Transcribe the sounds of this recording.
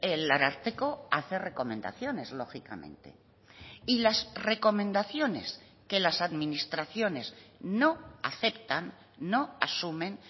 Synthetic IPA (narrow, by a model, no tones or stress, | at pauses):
elaɾaɾt̪eko̞aθe̞re̞ko̞mẽ̞nd̪a̰θjo̞ne̞zlo̞xika̰mẽ̞̰nt̪e̞̰ | ilasre̞ko̞mẽ̞nd̪aθjo̞ne̞̰s | ke̞lasaðmĩnist̪ɾaθjo̞ne̞sno̞aθe̞pt̪anː | o̞asumẽ̞n